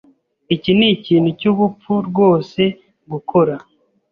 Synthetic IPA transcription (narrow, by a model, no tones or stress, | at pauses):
iciniciːn̤ucuβup͡fuɾɡwo̞ːse̞ | ɡukʰo̞ɾa